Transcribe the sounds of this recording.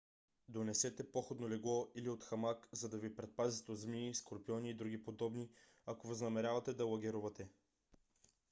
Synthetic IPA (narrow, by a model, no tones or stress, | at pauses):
d̪onɛsɛt̪ɛpoxod̪nolɛɡlˠɔiliot̪xɐmakzɐd̪ɐvipɾɛt̪̚pazit̪ɛod̪zmiskoɾpiɔniːd̪ɾuɡipod̪ɔbni | akovɐznɐmɛɾʲjavɐt̪ɛd̪ɐlˠɐɡʲɛɾuvɐt̪ɛ